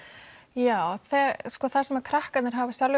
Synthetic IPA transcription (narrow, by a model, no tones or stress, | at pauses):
jaːwθɛskɔθasɛmakʰɾahkat̪nɪɾ̥ɦavḁsjalv